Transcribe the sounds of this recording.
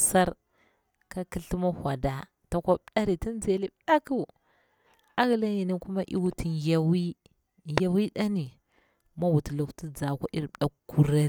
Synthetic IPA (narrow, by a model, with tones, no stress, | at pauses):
sa˦ɾ | ka˦ki˦ɬi˦ma˦hʷa˨da˨ | ta˨kʷa˦bɗa˦ɾi˨ti˦n˦d͡ze˨li˦bɗa˦ku˦˨ | a˦ɣi˨la˦ji˨ni˦ku˦ma˦ʔḭ˦wu˦ti˨ja˨wi˦˨ | ja˨wi˦ɗa˦ni˨ | ma˦wu˨ti˨lu˨kti˦d͡za˨kʷa˦ʔi˦ɾɗa˦ku˨ɾa˦˨